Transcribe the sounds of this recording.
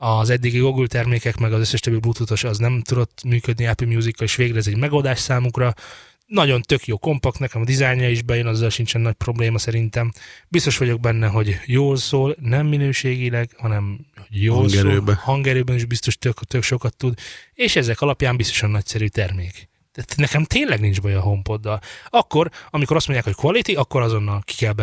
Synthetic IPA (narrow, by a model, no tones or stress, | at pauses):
ɒzɛd̪ːiɡiɡo̞ɡylt̪ɛrmeːkɛkmɛɡɒzøsːɛʃt̪ɒbːiblut̪ut̪o̞ʃɒznɛmt̪ud̪o̞t̪ːmyːkø̞d̪niɛpilmjuːzikːɒleːʃʋeːɡrɛzɛɟmɛɡo̞ld̪aːʃsaːmukrɒ | nɒɟo̞nt̪ø̞kjoːko̞mpɒkt̪nɛkɛmɒd̪izajɲɒiʒbɛjønɒzːɒlʃint͡ʃɛnːɒc̚pro̞bleːmɒsɛɾint̪ɛmbist̪o̞ʃʋɒɟo̞ɡ̚bɛnːɛɦo̞ɟjoːlsoːlnɛmːinøːʃeːɡilɛɡhɒnɛmhoɟjoːɡɾøːbhɒŋɡɛɾøːbɛniʒbist̪o̞ʃt̪økt̪økʃo̞kɒt̪ːud̪eːʃɛzɛkɒlɒpjaːmbist̪o̞ʃɒnːɒcsɛɾyːt̪ɛrmeːk | t̪ɛt̪nɛkɛmt̪eːnlɛɡnind͡ʒbɒjɒɦo̞mpo̞d̪ːɒlɒkːo̞ɾɒmiko̞ɾɒst̪moɲɟjaːkhockʋɒlit̪iɒkːo̞ɾɒzo̞nːɒlki̥kɛlbɛ